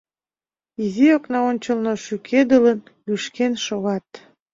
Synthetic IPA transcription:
izioknɑonʲt͡ɕəlnoʃykʰed̪ələn | yʃkenʃoɣɑt̪̚

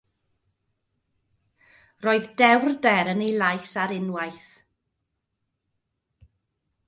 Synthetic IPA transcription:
roːɨðdɛwrdɛɾənejlˠajsaɾɪnwajθ

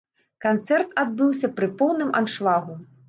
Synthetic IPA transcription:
kant̪sɛrt̪ad̪̚bɨwsʲɐpɾɨpɔwnɨmʔa̰nʂlˠaɣu

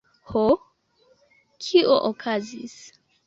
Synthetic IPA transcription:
ho | kʰiʔoʔokʰazis

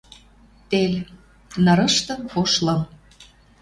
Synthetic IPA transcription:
t̪elʲ | nɤ̆ɾə̆ʃt̪ɤ̆mkoʃlɤ̆m

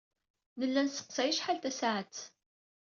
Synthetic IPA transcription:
nəlːænsə̥qsæjəʃħalt̪æsʕət͡sː

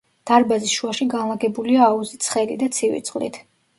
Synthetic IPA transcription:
d̪̥aɾbazisʃuaʃiɡanlˠaɡɛbuliaːuzit̪sʰχɛlid̪at̪sʰivḭt̪sʼχʼlḭt̪ʰ

